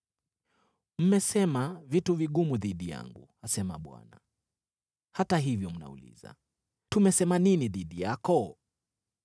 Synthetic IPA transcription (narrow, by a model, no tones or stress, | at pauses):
m̩mɛsɛmavituviɠumuðiɗija̰ŋɡṵ | asɛmaɓwa̰na̰ | hataɦivjɔm̩na̰ṵlḭza̰ | tumɛsɛmaniniðiɗijakɔ